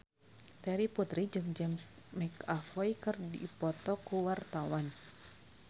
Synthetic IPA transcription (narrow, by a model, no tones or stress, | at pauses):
t̪ɛɾiput̪ɾid͡ʒɨŋd͡ʒɛmsmɛkafɔjkɨrdḭpɔt̪ɔkuwart̪awan